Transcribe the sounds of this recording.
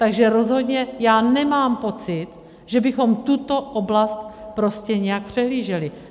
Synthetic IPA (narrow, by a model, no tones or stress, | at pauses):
t̪aɡʒɛɾo̞zɦo̞d̪ɲɛjaːnɛmaːmpo̞t͡sɪt̪ | ʒ̥ɛbɪxo̞mt̪ut̪o̞ʔoblast̪pɾo̞scɛɲɛjak̚pr̝̥ɛɦliːʒɛlɪ